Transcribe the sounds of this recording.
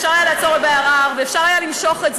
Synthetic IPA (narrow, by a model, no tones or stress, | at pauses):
ʃaʁhajalaːt͡soʁebeaʁaʁveefʃaʁajalimʃo̞χetz